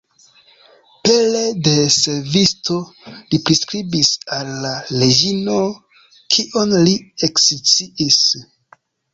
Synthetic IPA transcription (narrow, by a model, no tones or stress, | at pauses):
pelede̞seɾvisto̞lipɾiskɾibisalːaːed͡ʒino̞ | kʰiʔo̞nlieksit͡siʔis